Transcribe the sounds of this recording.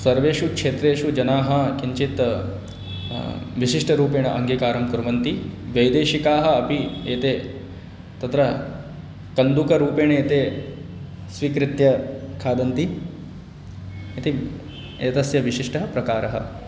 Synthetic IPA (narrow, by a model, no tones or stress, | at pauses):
sɐɾʋeːʃukʂeːt̪ɾeːʃud͡ʒɐnaːɦɐkiɲt͡ʃit̪ | ʋiʃiʂʈɐɾuːpeːɳɐʔɐŋɡʱikaːɾɐmkuɾɐʋɐnt̪iʋɐjd̪eːʃikaːɦɐ̆ɐpieːt̪e | t̪ɐt̪ɾɐ | kɐnd̪ukɐɾuːpeːɳeːt̪e | sʋiːkɾit̪jɐkʰaːd̪ɐnt̪i | et̪i | eːt̪ɐsjɐʋiʃiʂʈɐɦɐpɾɐkaːɾɐɦɐ̰